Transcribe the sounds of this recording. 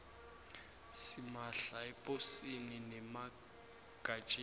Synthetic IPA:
simaɬaɛpʼosininɛma | ɡ̥ʼat͡ʃʼe

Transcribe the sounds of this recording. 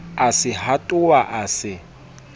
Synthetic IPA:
asɪhatʼʊwaʔasɪ

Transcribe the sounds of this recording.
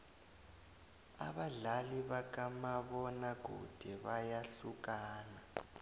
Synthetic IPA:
a̰ɓaɮaliβak̬amaβɔnak̬ṵd̥ʱɛβajaɬuk̬ʼaːna

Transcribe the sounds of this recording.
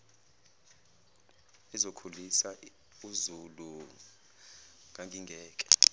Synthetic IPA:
izokʰulisa | uzulu | ŋʱaŋɡʱiŋɡʱɛːk̬ʼɛ̥

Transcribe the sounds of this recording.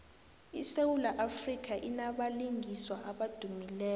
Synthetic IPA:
isewulaʔafrik̬ʰʼaʔinaɓaliŋʱiswaʔaɓad̥ʱumilɛː

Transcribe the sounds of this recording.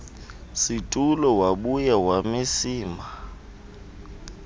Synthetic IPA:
sitʼulɔwaɓujawamɪsiːma

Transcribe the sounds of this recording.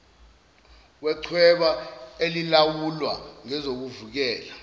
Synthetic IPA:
wɛǀʰwɛɓaelilawulwa̰ŋɛzok̬uvuk̬ɛːla

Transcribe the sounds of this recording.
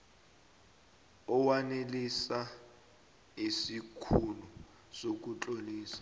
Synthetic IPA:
ɔwanelisa | isikʰulu | sok̬ut͡ɬʼoliːsḁ

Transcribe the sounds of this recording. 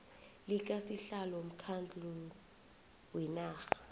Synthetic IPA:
lik̬ʼasiɬalɔm̩kʰand͡ɮʱu | wɛnaːxḁ

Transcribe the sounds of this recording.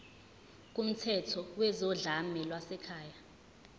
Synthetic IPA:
k̬ʼum̩tʰɛtʰɔwɛzɔɮamɛlwasɛkʰaːja

